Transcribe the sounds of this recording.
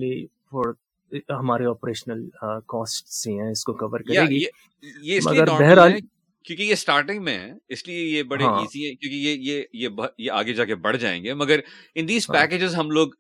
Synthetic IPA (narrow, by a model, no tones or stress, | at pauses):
li | fɔːɾ | ɦɐmaːɾeɔːpɾeːʃnəlkɔːsʈseɦɛ̃ɪskokɐʋəɾkɐɾjaeːɡije | jeɪsmlɐ̰iɡəɾːɛɦɾaːli | kjõːkijesʈaːɾʈɪ̃ŋɡmẽɦɛ̰̃ɪsliejebɐɽeãɦiːziɦɛ̃kjõːkijejejebɐjea̰ːɡed͡ʒaːkebɐɽ̤d͡ʒa̰ːḛ̃ːŋɡeːmɐɡəɾɪ̃nd̪iːz̥pɛːkeːd͡ʒɪzɦɐmloːɡ